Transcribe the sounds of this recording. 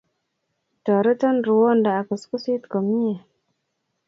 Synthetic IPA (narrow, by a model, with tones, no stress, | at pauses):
to˨ɾə˦ta˦nɾu˨wo˦nda˨a˨kə˨sku˦si˦t̪ko˨mi˦je˨